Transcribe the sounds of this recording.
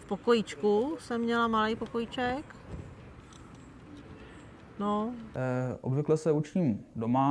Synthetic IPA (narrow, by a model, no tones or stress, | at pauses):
fpokojɪt͡ʃkusɛmːɲɛlamalijpokojɪt͡ʃɛk | no | ʔo̰bvɪklɛsɛut͡ʃciːmdoma